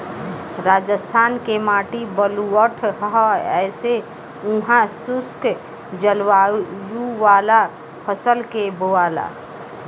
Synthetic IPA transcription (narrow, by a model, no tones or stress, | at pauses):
ɾaːd͡ʒəst̪ʰaːnkemaːʈibəluəʈʰɦɦɛːse | uɦãsʊsk | d͡ʒəlwajuʋaːla | pʰəsəlkeboaːla̰ː